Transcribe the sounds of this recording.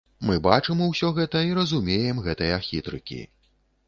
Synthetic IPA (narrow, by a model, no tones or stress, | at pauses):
mɨbat͡ʂɨmuwsʲɔɣɛt̪ɐiɾɐzumʲejɛmɣɛt̪ɐjaxʲit̪ɾɨ̰kʲḭ